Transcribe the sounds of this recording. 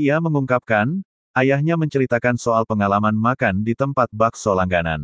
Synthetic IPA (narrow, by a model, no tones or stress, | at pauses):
iaməŋuŋkap̚kan | ʔajahɲaməɲt͡ʃəɾit̪akansoalpəŋalamanmakandit̪əmpat̪̚baksolaŋɡana̰n